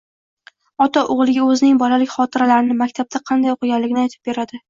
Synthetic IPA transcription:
ɒt̪ʰaʔoʁlˠɪɡʲaɵzɪnɪŋbɒlalɪkʲχɒt̪ʰɪɾalaɾɪnɪmakʲt̪ʰab̚t̪ʰaqʰɑnd̪ajoqʰɨɡʲanlːɪɡʲɪnɪajt̪ʰɪ̥p̚be̞ɾad̪ɪ

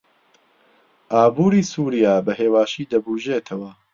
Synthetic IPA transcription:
ʔaːbuːɾiːsuːɾijaːbɐɦeːwaːʃiːd̪ɐbuːʒeːt̪ʰɐwɐ

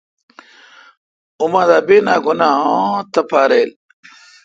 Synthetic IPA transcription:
umãːd̪aːbeːnaːɡunaːõt̪ɐpʰaːɾeːl

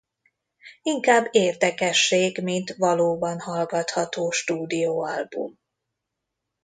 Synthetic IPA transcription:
iŋkaːbːeːrd̪ɛkɛʃːeːɡmint̪vɒloːbɒnhɒlɡɒt̪hɒt̪oːʃt̪uːd̪ijoːɒlbṵm

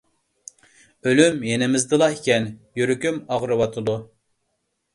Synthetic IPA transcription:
ølymjenɪmɪzd̪ɨlˠɑekʲɛnjyɾykʲymɑʁɾɨwɑt̪ʰɨd̪u

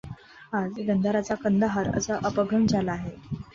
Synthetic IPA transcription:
ad͡zɡ̪ənd̪ʱəɾat͡sakənd̪əɦəɾə̰səʔəpəɡʱəmd͡zʱalaːɦe

